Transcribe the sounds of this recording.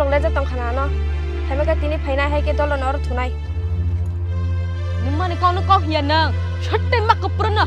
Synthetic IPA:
ɔŋlezatɔŋkʰananɔ | hʰamekatinipʰajnajɦajkedɔlɔnɔɾɔtʰunaj | nimanikawnɯkɔɦjanaŋ | sʰɯt̚ːemakːɯpɾɯnɯ

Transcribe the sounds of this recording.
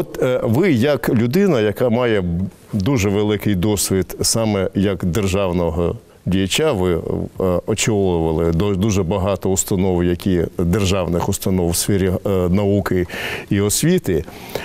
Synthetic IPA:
ɔt̪ʋɪjɐklʲʊd̪ɪnɐjɐkɑmɑjɛ | d̪uʒɛʋelˠɪkɪjd̪ɔsʲʋʲid̪sɑmɛjɐkd̪erʒɑwnɔɦɔ | dʲijɐt͡ʃaʋɪ | ɔt͡ʃɔlˠʊʋɐlˠɪd̪d̪uʒɛbɐɦɑt̪ɔʊst̪ɐnɔwjɐkʲid̪erʒɑwnɪxʊst̪ɐnɔwsfʲɛɾʲinɐukɪiɔsʲʋʲit̪ɪ

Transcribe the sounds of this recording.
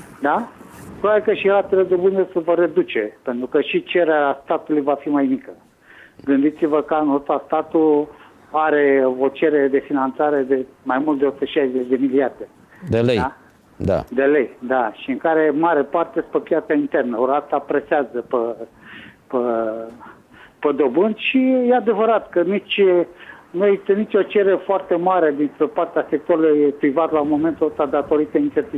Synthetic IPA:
d̪apɾoβabikəʃiɾat̪eled̪obɨnesəvəɾe̞d̪ut͡ʃe̞pe̞nt̪ɾukəʃit͡ʃeɾeɾast̪at̪ulujvafimajmikə | ɡɨnd̪it̪sivəkəanot̪ast̪at̪u | aɾe̞o̞t͡ʃe̞ɾeed̪e̞finant̪saɾe̞d̪e̞majmult̪d̪eost̪əʃajzd̪et͡ʃʲd̪e̞miliard̪e̞ | d̪elej | d̪a̰d̪e̞le̞jd̪aʃiɨŋkaɾe̞maɾepart̪ed̪espɾepjat̪saint̪e̞rnəoɾat̪apɾeseazəpə | pə | pəd̪o̞bɨnd̪ʃijead̪e̞vəɾat̪kənit͡ʃʲ | nujeist̪ənit͡ʃʲo̞t͡ʃe̞ɾefoart̪e̞maɾe̞d̪insɾepart̪easek̚t̪oaɾulujpɾivat̪laumo̞me̞nt̪olst̪ad̪at̪o̞ɾit̪əint͡ʃ̪ert̪i

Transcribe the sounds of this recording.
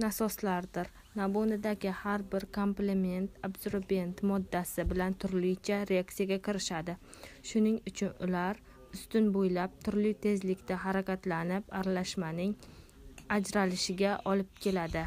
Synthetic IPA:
nasɒslaɾd̪ɪɾ | nabonɪd̪aɡʲɪhaɾbɪɾkʰo̞mpleme̞nt̪abzoɾbʲe̞nt̪mɒd̪ːasɪbɪlant̪ʰʊɾlɪjt͡ʃʰaɾeak̚t̪ijaɡʲakʰʲɪɾɪʃad̪ɪ | ʃʊnɪŋʊt͡ʃʰʊnʊ̰laɾ | ʊst̪ʊnbojlap̚t̪ʰʊɾlɪjt̪ʰe̞zlɪkʲt̪aɦaɾakʲat̪lanɪpaɾalaʃmanɪŋ | ad͡ʒɾalɪʃɪɡʲaʔɒlɪp̚kʲʰe̞lad̪ɪ

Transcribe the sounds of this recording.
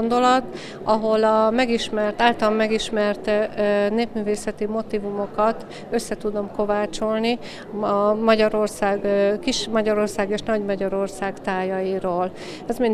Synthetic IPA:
ond̪o̞lɒt̪ | ɒɦo̞lɒmɛɡiʃmɛrt̪aːlt̪ɒlɒmːɛɡiʃmɛrt̪ːneːpmyːveːsɛt̪imo̞t̪iːvumo̞kɒt̪ | ø̞sːɛt̪ud̪o̞mko̞vaːt͡ʃo̞lni | ɒmɒɟɒɾo̞rsaːɡkiʃmɒɟɒɾo̞rsaːɡeːʃnɒɟmɒɟɒɾo̞rsaːɡt̪aːjɒjiɾoːl | ɛzmen

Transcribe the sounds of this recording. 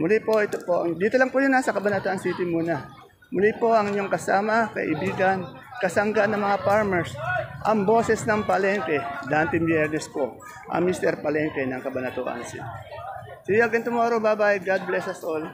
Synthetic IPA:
mʊlipo̞ʔɛt̪opo̞ʔɐŋd̪iːt̪olɐŋpʊjonːasɐkɐbɐnɐt̪uʔɐnsit̪ɪmuːnɐ | mʊlipo̞ʔɐŋɪɲoŋkɐsaːmɐkɐ̰ʔɪ̰biːɡɐn | kɐsɐŋɡanːɐŋmɐŋapaɹmɛɹsʔɐŋbo̞ːsɛsnɐŋpɐlɛnt̪ɛd̪aːnt̪ɪmbjɛɾnɛspo | ʔɐ̰ŋmist̪ɛɾpɐlɛnt̪ɛnɐŋkɐbɐnɐt̪uːʔɐ̰nsḭːt̪ɪ | sɪjaɡɐnt̪ʊmoːɾobabaʔɡad̪̚blɛsɐsol

